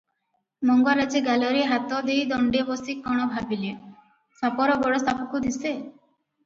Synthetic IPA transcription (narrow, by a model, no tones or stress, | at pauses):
mɔŋɡaɾad͡ʒeɡalɔɾeɦat̪ɔd̪ejd̪ɔɳɖibɔsikːɔɽ̃ɔbʱabile | sapɔɾɔbɔɽɔst̪ʰapɔkud̪ise